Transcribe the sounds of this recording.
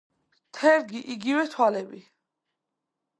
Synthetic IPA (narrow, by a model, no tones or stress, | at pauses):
t̪ʰɛɾɡiʔiɡivɛt̪ʰwalɛbi